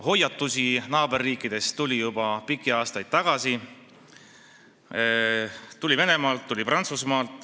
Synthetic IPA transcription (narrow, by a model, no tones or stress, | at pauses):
ho̞jːɑt̪ːˑusʲinɑːbe̞rːiːkːid̪̥e̞st̪ulʲijubɑpikːˑiɑːst̪ɑjd̪̥̚t̪ɑɡ̥ɑsi | t̪ulʲive̞ne̞mɑːlt̪ːulʲiprʔɑnt̪susmɑːlt̪ˑ